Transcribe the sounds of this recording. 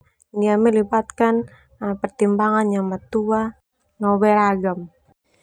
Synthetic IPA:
niaməlibat̪kan | pərt̪imbaŋanɲamat̪ua | nɔbɛɾaɡam

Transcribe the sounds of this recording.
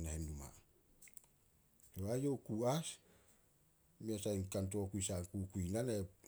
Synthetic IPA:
nahenduma̰ | soajo̞wkuas | miasajnkant̬o̞kujsaŋkukuinane

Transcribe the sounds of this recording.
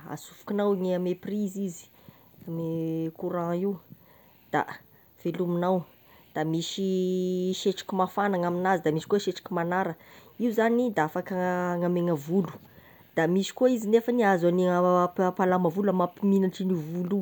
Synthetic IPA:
a̰sufu̥kʲinawiŋeameprizizi̥ | amekuɾãiw | d̪̥a̰ | v̥eluminaw | d̪̥amiʃiʃeʈ͡ʂi̥kimafanaŋaminazid̪amiʃi̥koʃeʈ͡ʂi̥kʲimanaɾə | iuzanid̪aafakəŋameŋəvulu̥ | d̪̥amiʃi̥kuizinefəniazaniaapalaməvulamapiminaʈ͡ʂinivulu

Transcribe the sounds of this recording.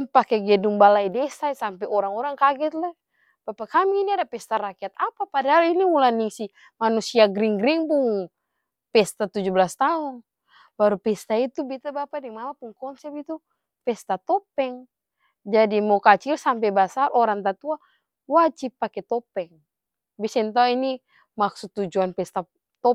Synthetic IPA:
mpakɛɡɛduŋbalaidɛsaisampɛɔɾaŋɔɾaŋkaɡɛt̪lɛ | b̥apakamiːniadapɛst̪aɾakiat̪̚apapadaɦaliniulaniŋsi | manusiaɡɾiŋɡɾiŋbuŋ | pɛst̪at̪ud͡ʒubəlast̪aun | baɾupɛst̪ait̪ubit̪abapadɛŋmamapuŋkɔnsɛp̪̚it̪u | pɛst̪at̪ɔpɛŋ | d͡ʒadimɔkat͡ʃilsamp̬ɛbasarʔɔɾaŋt̪at̪ua | wad͡ʒipːakɛt̪ɔpɛŋ | bisɛnt̪auini | maksut̪ːud͡ʒuanpɛst̪a | t̪ɔ

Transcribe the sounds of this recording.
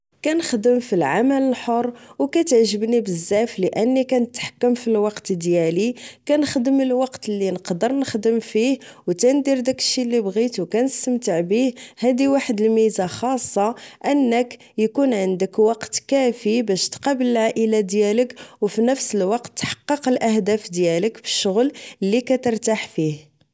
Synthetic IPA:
kænəxd̪əmfilʕamələlħorˤːwkæt̪əʕʒəbnibəzːæfləʔənːikænət̪ħḁkːəmfilwɑqt̪d̪jælikænəxd̪əməlwɑqt̪lːinəqd̪əɾˤnəxd̪əmfihwt̪ænd̪iɾd̪ækə̥ʃːilːibɣit̪wkænəst̪əmt̪aʕbihhæd̪iwaħəd̪əlmizaxɑsˤːɑʔənːək | jkunʕənd̪əkwɑqt̪kæfibæʃt̪qɑbələlʕaʔəlad̪jæləkwfinəfsəlwɑqt̪ːħɑ̥qːɑqəlʔæhd̪æfd̪jæləkbəʃːʊɣllːikæt̪əɾˤt̪aħfih

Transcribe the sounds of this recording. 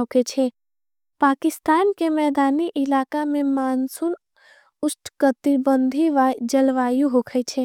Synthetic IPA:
okʰet͡ʃʰe | paːkɪst̪aːnkemɛːd̪aːniʔɪlaːkamẽmaːnsʊn | ʊsʈkət̪ɪbə̃nd̪ʱiʋad͡ʒɐlʋaːjuɦoːkʰət͡ʃʰeː

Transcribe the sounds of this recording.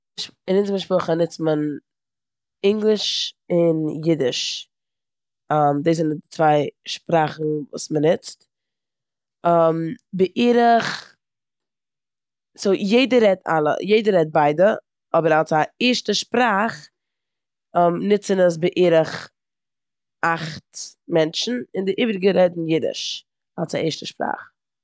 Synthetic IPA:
ʃɪnɪt͡sməʃpʊχənɪt͡smən | ɪŋɡlˠɪʃɪnjɪdɪʃ | ɔmdeːszɪndɪt͡svaɪʃpɾaːχn̩vṵːsmənɪt͡st | əmbɪʔiːɾəχ | soːjeɪdəɾɛta̰lˠə̰jeɪdəɾɛt̚baɪdə | ɔbəɾalˠsaiɾʃtəʃpɾaːχ | mnɪt͡sənəs̬bɪʔiːɾəχ | aχtmɛnt͡ʃn̩ɪndɪʔiːbɾɪɡəɾɛdn̩jɪdɪ̰ʃ | alˠsa̰ʔɛːɾʃtəʃpɾa̰ːχ

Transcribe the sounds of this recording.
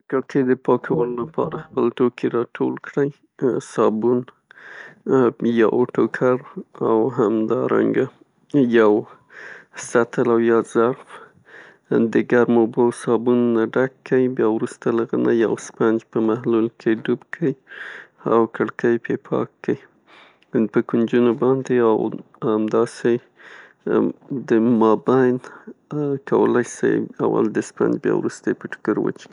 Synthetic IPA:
kəɽkəjd̪əpɑkʰawəlolapʰɑ̰ɾaxpəlt̪okiɾɑʈʰolkɽəj | sɑbun | jɑʔoʈokʰaɾawɦamd̪ɑɾa̰ŋɡa | jaw | sat̪əlawjɑz̥aɾf | d̪əɡaɾmobowsɑbunnaɖakːəibjɑwɾust̪alaɣənajawspand͡ʒpəmahlulkʰeɖubkʰəi | a̰wkəɽkəjpʰepʰɑ̰kʰːəi | pəkund͡ʒunobɑnd̪eaw | hamd̪ɑse | d̪əmɑbajn | kʰawə̰lajsa̰ja̰wa̰ld̪əspa̰nd͡ʒbjɑ̰wɾust̪aepəʈʊ̥kəɾwə̰t͡ʃki

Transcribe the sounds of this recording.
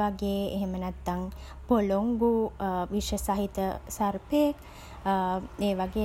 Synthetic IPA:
aɡeːḛɦemənæt̪ːaŋ | poloŋɡuʋiʃəsaɦit̪əsarpejek | eːʋaɡeː

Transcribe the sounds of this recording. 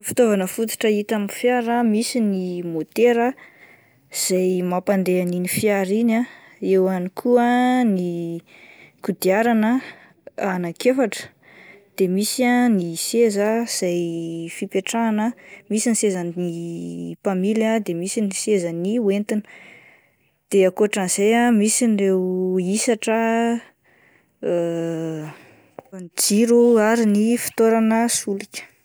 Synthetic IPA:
fi̥t̪ovanəfut̪u̥ʈ͡ʂəit̪aminfjaɾamisinimot̪eɾə | z̥ajmapand̪eaninifiaɾina | ewanikʰuəni | kud̪iaɾanə | anakefaʈ͡ʂə̥ | d̪̥emisianisezaz̥ajfipeʈ͡ʂaːnəmisinisezanipamiljəd̪emisinisezaniuent̪inə̥ | d̪̥eakoaʈ͡ʂaniz̥ejamisinrewisaʈ͡ʂə | nd͡ziɾuaɾinifi̥t̪oɾanəsulikʲə̥

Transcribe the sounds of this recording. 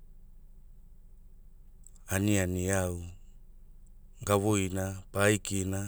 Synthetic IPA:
anianiaw | ɡaβojnapajkina

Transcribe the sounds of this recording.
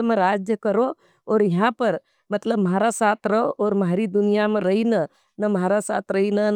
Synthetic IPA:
mẽɾad͡ʒjəkəɾo | ɔːɾjɐɦãpəɾ | mət̪ləbməɦaɾasaːt̪ʰɾəɦoʔɔːɾməɦaɾid̪unijameɾəɦinə | nəməɦaɾasa̰ːt̪ʰɾəɦinən

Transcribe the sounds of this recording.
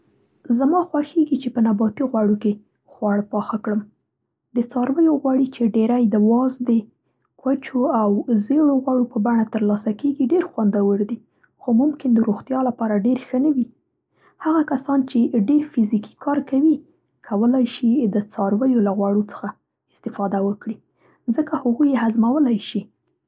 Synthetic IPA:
zamɑxwaxeɡit͡ʃepənabɑt̪iɣwaɽoke | xwaɽpɑxakɽəm | d̪ət͡sɑɾwəjoɣwɑɽit͡ʃeɖeɾajd̪əwɑzd̪ə | kwat͡ʃoawzeɽoɣwɑɽopəbaɳat̪əɾlɑsakeɡiɖeɾxwand̪awəɾd̪i | xomʊmkɪnd̪əɾoɣt̪jɑlapɑɾaɖeɾxənawi | haɣakasɑnt͡ʃeɖeɾfiziki̥kʰɑɾkawi | kʰawəlajʃid̪ət͡sɑɾwəjolaɣwɑɽot͡sə̥xa | ɪst̪ɪfɑd̪awəkɽi | zəkahʊɣujeɦazmawəlajʃi

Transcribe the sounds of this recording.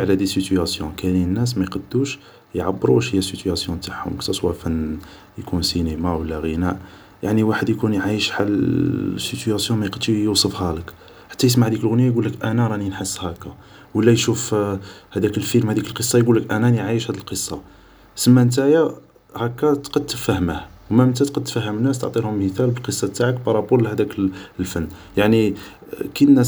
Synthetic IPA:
ʕlæd̪isit̪yæsjɔ̃kæninːæs̬mæjqɑd̪ːuʃ | jʕabːəɾuʃhəjːæsit̪ʰæsjɔ̃t̪aʕhʊ̰mkt̪ɑswæfæn | jkunsinemawəlːæɣənæʔ | jaʕniwaħəd̪jkunjʕajəʃħalsit̪yæsjɔ̃mæjqəd̪ʃijusˤəfhælək | ħḁt̪ːæjəs̬maʕæd̪ikəlɣʊnjæjɡulːəkʔænæɾˤɑninħəsːhækːæ | wəlːæjʃufhæd̪ækəlfilmhæd̪ikəlqəsˤːɑjɡulːəkʔænæniʕajəʃhæd̪əlqəsˤːɑ | səmːænt̪̬æja | hækːæt̪qɑd̪əfæhməhwmæəmt̪æt̪qɑd̪̚t̪fæhːəmənːæst̪əʕt̪ˤilhʊmhət̪ælbəlqəsˤːɑt̪ːaʕəkbɑɾˤɑbulhæd̪æklfənː | jaʕni | kid̪næ

